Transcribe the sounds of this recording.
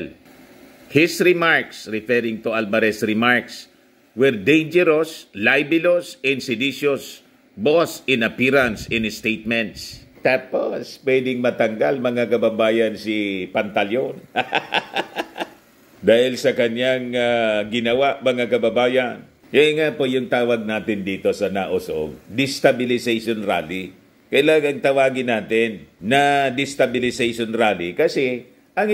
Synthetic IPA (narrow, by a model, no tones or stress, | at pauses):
l | hɪsɹɪmaɹksɹɪfɛɾɪŋt̪ʊalbɐɾɛsɹɪmaɹks | wɛɹd̪ẽjnd͡ʒɛɾoslajbɪlosɪ̃nsɪd̪iʃos | bosɪ̃nɐpiɹansɪ̃nɪst̪ejt̪̚mɛnt̪st̪at̪̚pospwɛd̪ɪŋmɐt̪ɐŋɡalmɐŋakɐbɐbaːjansipant̪aljon | d̪aːhɪlsɐkɐɲjaŋaɡɪnɐwaʔmɐŋakɐbɐbaːjɐn | jɐŋaʔpojʊŋt̪aːwɐɡ̚naːt̪ɪnd̪iːt̪o̞sɐnaʔosʔo̰ɡ̚d̪ɪst̪ɐbɪlɪsejʃonɾa̰ːli | kɐjlaːŋɐŋt̪ɐwaːɡɪnaːt̪ɪnːɐd̪ɪst̪ɐbɪlɪsejʃonɾaːlikɐsɛ | ʔɐŋ